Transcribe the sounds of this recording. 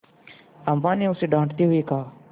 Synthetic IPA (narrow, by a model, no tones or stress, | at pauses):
əmãːnẽːʊseːɖãːɳʈt̪iːɦʊiːkaː